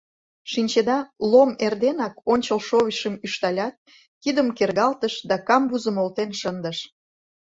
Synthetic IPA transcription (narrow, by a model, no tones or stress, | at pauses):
ʃinʲt͡ɕed̪ɑlomerd̪enɑkonʲt͡ɕəlʃoβiʃəmyʃt̪ɑlʲɑt̪̚ | kid̪əmkerɣɑlt̪əʃd̪ɑkɑmbuzə̆molt̪enʃənd̪əʃ